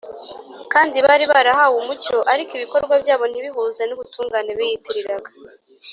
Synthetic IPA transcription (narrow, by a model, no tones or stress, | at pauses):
kaːndiβaɾiβaɾahawumuco̞ʔaɾikiβiko̞ɾɡwabɟaːβo̞n̥iβiɦuːzaniβutuːŋɡaːne̞βijitiɾiɾaɡa